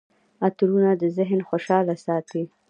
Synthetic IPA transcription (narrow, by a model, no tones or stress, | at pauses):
at̪ɾunad̪əzɪɦnxoʃɑlasɑt̪i